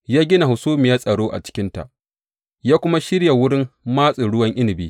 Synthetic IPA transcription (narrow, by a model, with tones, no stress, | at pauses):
jaː˦ɡʲɪ˦na˨hʊ˨suː˦mɪ˨jaː˦sʼɐ˨ɽoː˦ʔa̰˨t͡ʃɪ̥˦kʲɪ˦nta̰˨ʔ | jaː˦kʷʊ˦ma˦ʃɪ˦ɽja˨wʊ˦ɽɪ˦mmaː˦sʼi˨ɽʊ˦wɐ˦ŋʔɪ˦lɪ˨biː˦